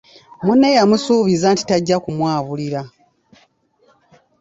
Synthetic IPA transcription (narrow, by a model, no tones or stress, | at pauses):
munːe̞jamusuːβizanti̥taɟːakumwaːβuliɾa